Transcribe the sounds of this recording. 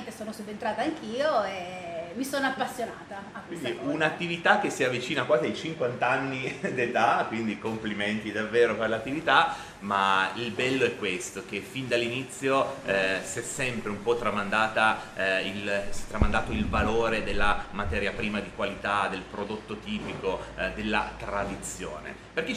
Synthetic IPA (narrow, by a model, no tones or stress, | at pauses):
nt̪esoːnosob̪ent̪ɾaːt̪aːŋk̟ʰiːoemisoːnoapːasːjonaːt̪aakːind̪iunat̪ːivit̪ak̟ːesːiavit͡ʃiːnakwaːziajt͡ʃiŋkwant̪aanːid̪et̪akwind̪ikompliment̪id̪avːeːɾoperlat̪ːivit̪a | mailbɛlːoɛkːwest̪ok̟efind̪alːinit̪sːjosiɛsːɛmpɾeumpɔt̪ːɾamand̪aːt̪ailsɛt̪ːɾamand̪aːt̪oilvaloːɾed̪elːamat̪ɛːɾjapɾiːmad̪ikwalit̪ad̪elpɾod̪ot̪ːot̪iːpikod̪elːa̰t̪ɾad̪it̪sːjo̰ːnḛ | perk̟e